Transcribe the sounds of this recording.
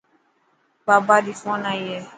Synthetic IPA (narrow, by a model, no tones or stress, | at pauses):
babadifɔ̃nãjɛ